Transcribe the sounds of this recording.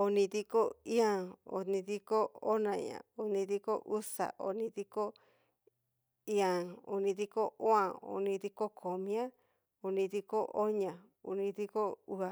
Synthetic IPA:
o˧nĩ˧ði˧ko˦i˦ã˧o̰˨˧nĩ˧ði˧ko˦o˦nã˧j̰ã̰˨o˧nĩ˧ði˧ko˦ʔu˦sa̰˨ʔo̰˨˧nĩ˧ði˧ko˦ | i˦ã˨o̰˧nĩ˧ði˧ko˦o˦ã˨o̰˨nĩ˧ði˧ko˦kʰo˨mĩ˦ã˦ | o˧nĩ˧ði˧ko˦ʔo˦ɲã˨ | u˧˨nĩ˧ði˧ko˦u˧a˨

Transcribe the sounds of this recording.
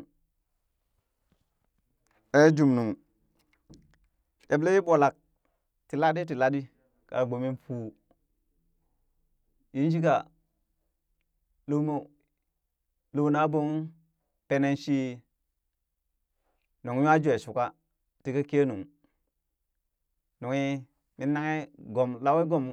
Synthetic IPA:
e˦d͡ʒu˨mnu˨ŋ | je˨ble˦ji˦bo˨la˨k̚ | ti˨la˦di˦t̬i˨la˦di˦ | ka̰˨ɡ͡bo˨mi˦nfuː˦ | ji˦n˦ʃi˦ka˨ | lu˦mo˦ | lu˨wna˦bo˦ŋ | pe˨˦ne˦nʃi˦ | nu˨ŋ˦ja˦d͡ʒe˨su˨ka˦ | ti˨ka˦ke˦nu˨ŋ | nu˨ŋi˦ | mi˦nːa˦ŋe˦ɡo˨mla˦wi˦ɡo˨mu˦

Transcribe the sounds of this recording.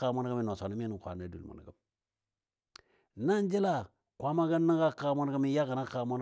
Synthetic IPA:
a˨ma˦n˦ɡa˦mi˨no˨so˨ni˨˦m˦ni˨kʷa̰˨n˦e˨˦dṵ˨lmo̰˨n˨ɡa˨m | na˦n˦d͡ʒi˦la˦˨ | kʷa˦ma˦ɡa˦nːa˦ɡa˦ka˨˦ma˦n˦ɡa˦mi˦ja˦ka˨na˦ka˨˦mo˦n

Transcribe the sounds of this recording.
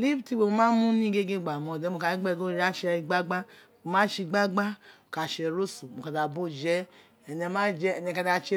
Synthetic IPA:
li˦bti˧˦wo˧˨o˧mãː˦mũ˦nĩ˦ɡe˦ɡe˦˨ɡ͡ba˨mɔ̃˧˨dɛ˨˦mo˨˧ka˧˦ɡ͡bɛ˦˨ɡo˦ɾa˦ʃɛ˧i˧ɡ͡ba˦ɡ͡ba˦˨ | o˨mã˦ʃi˧˨ɡ͡ba˦ɡ͡ba˦o˨ka˧˨ʃɛ˧˨ɾo˦su˨mo˨ka˧˨da˨bo˦˨d͡ʒɛ˦ | ɛ˧˨ɲɛ˧mã˦d͡ʒɛ˦ɛ˧ɲɛ̃˧ka˧da˧t͡ʃe˧˦

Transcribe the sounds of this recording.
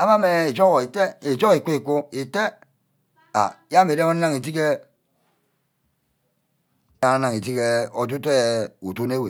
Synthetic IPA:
a˦ma˦me˨e˨d͡ʒo˦ɣɔ˨i˨te˦e˨d͡ʒo˦i˨ku˦i˨ku˦i˨te˦ | a̰˨˦ja˦me˨ɾe˦o˦na˦ŋi˨t̬i˦ke˦ | a˨a˨˦na˨ŋ˨i˨ti˦ke˦o˨t̬u˦te˦u˨tu˦ne˦we˨

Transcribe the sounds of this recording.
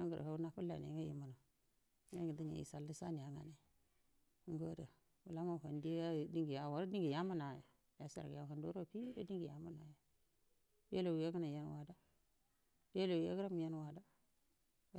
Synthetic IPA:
a˦ŋɡə̰˨ɾ̰a˦u˦na˦pu˦la̰˨n˨ḛ˨ŋa˦jḭ˨mu˨no˨˦ | a˦ɡi˨di˦ɲa̰˨ḭ˨sa˨lːi˦sa˦ni˨a˨ŋa˨ne˨˦ | ŋ˦ɡo˦də˨ | wu˨la˦ma˦˨ka˨nde˦a˦˨di˦ŋɡi˨ja˨wa˨ɾa˦di˦ŋɡi˨ja˦mu˦na˨ja̰˨ | ja˨˦sa̰˨ɡḭ˨ja˨˦˨a˨ndo˦ɾo˦˨pi˦da˦di˦ŋɡi˨ja˨mu˦na˨ja˨ | di˦e˦lo˨wu˨je˦ɡə˦na˨ja˦n˦wa˨da˦ | di˦e˦lo˨wja̰˦ɡə˦ɾa˦mi˨ja˦n˦wa˨da˦˨

